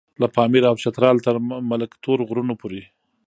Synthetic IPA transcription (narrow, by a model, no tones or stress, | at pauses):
lapɑmiɾaawt͡ʃat̪ɾɑlt̪əɾmaləkt̪ʰoɾɣɾunopoɾe